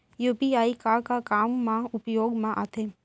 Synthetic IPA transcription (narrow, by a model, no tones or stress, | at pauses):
jupiaːikaːɾkakaːmːãʊpjoːɡmãʔa̰t̪ʰe